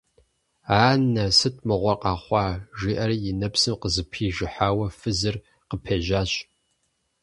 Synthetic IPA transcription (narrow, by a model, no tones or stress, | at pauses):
aːnɐsɨt̚ʰmɨʁʷɔrqɑːχʷɑːʒiːʔɐrijɪnɐpsɨmqəzɨpʰiːʒɪħaːwɐfɨzɨr | qəpʰeːʒaːɕ